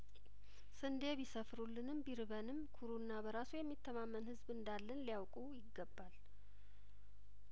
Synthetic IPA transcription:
sɨnd̪eβisəfɾulːɨnɨmbiɾɨβənɨmkʰuɾunːabəɾasujɛmːit̪ʰːəmamːənhɨzbɨnd̪alːənlijawkʼujɪɡːəbːal

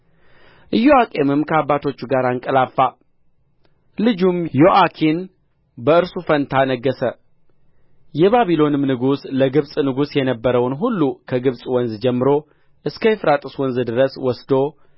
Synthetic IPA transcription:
ʔɨjːoakʼe̞mɨmkʰəabːat̪ʰo̞t͡ʃːuɡaɾaŋkʼəlafːa | lɨd͡ʒumjoʔakʰin | bəɨɾsufənt̪ʰanəɡːəsə | jɛβaβilo̞nɨmnɨɡusləɡɨβsʼnɨɡusjɛnəbːəɾəwnɦulːukʰəɡɨβsʼwɔnzd͡ʒɛmːɨɾo̞ | ʔɨskʰəjfɾat̪ʼɨswɔnzd̪ɨɾəswɔsd̪o̞

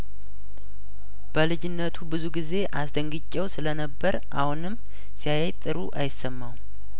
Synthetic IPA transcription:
b̥əlɨd͡ʒɪnːət̪ʰubɨzuɡize̞ʔasd̪əŋɡɨt͡ʃʼːɛwsɨlənəbːəɾʔahunɨmː | sijajajt̪ʼːɨɾṵʔajɪsːəmːaw

